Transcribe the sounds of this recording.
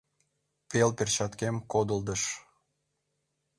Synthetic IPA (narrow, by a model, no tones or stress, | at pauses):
pelpert͡ɕɑt̪kemkod̪əld̪əʃ